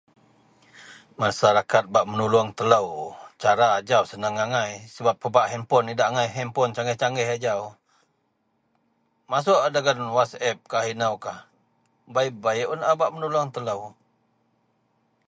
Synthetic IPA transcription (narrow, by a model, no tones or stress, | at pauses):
masaɾakat̪̚baʔmənuluaŋt̪ələwt͡ʃaɾaːd͡ʒawsənaŋaŋajsəbap̚ːəbaʔɦɛmpɔnidaʔaŋajɦɛmpɔnt͡ʃaŋɡɛht͡ʃaŋɛhad͡ʒaw | masuʔadaɡanwasɛp̚kaɦinəwkah | bajbajʔunabaʔmənuluaŋt̪ələw